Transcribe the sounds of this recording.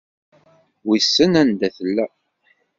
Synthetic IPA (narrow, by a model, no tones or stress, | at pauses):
wisːənænd̪æθəlːæ